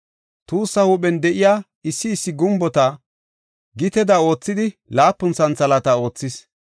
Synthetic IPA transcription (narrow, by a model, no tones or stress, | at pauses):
t̪uːsːɐhuːpɛnd̪ɛʔɪjaː | ɪsːɪːsːɪɡʊmbɔt̪ɐ | ɡɪt̪ɛd̪ɐo̞ːt͡sːɪd̪ɪlaːpːʊnsɐnt͡sɐlɐt̪ɐo̞ːt͡sːɪs